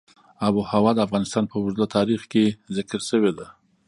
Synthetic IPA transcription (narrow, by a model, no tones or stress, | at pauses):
abuhawɑd̪əafɣɑnɪst̪ɑnpəwʊzlat̪ʰɑɾixkezɪkəɾʃəwed̪a